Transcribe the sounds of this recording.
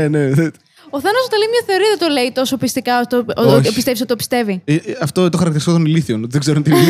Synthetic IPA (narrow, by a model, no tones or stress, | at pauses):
neð | oθɐnɐsot̪ɐlimɲɐθe̞o̞ɾiɐðet̪oleit̪o̞sopist̪ikɐot̪oopist̪e̞pisot̪t̪opist̪e̞viɐft̪ot̪oxɐɾɐkt̪iɾisikot̪oniliθionot̪ðeɡzeɾunt̪ini